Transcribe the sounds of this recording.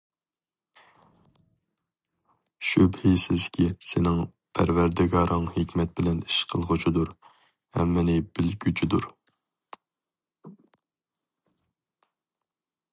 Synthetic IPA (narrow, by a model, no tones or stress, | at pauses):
ʃybhisɪzkʲʰisɪnɪŋ | pʰæ̰ɾvæɾd̪ɪɡɑɾʔɨŋhekʲmɛt̪̚bɪlɛniʃqʰəlˠʁʊt͡ʃʰid̪uɾ | hɛ̰mːɪnɪbɪlɡʲyt͡ʃʰid̪uɾ